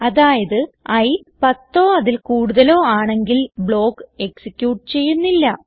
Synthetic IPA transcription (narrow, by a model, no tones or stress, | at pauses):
ɐðaːjɐðɨɐj | pɐt̪ːoːɐðilkuːɽuðɐlo̞ːaːɳe̞ŋɡilbɭo̞ːkːɨe̞ksikʲːjuːʈːɨt͡ɕe̞jːunːilːɐ